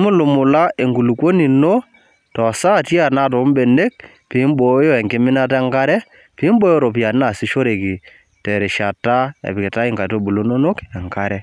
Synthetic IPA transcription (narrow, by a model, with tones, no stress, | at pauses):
mʊ˦lʊ˨mʊ˨la˦ʔe˨ŋɡu˨lu˨kwo˦ni˨no˦ | tɔ˨sa˦˨tji˦a˨na˦˨t̬o˨˦mbe˨ne˦k̚ | pi˨˦mbo˨˦jo˦ɛ˨ŋɡɪ˦mɪ˦na˦tɛ˦ŋɡa˦ɾɛ˦ | pi˦mbo˦jo˦ɾo˨pja˨n˦na˨sɪ˦ʃo˦ɾe˨ki˨ | tɛ˨ɾɛ˨ʃa˨ta˦ɛ̰˨pɪ˨kɪ˨ta˦ɪ˦ŋɡa˨to˦bu˨lo˦no˦no˦kɛ˨ŋka˦ɾɛ˦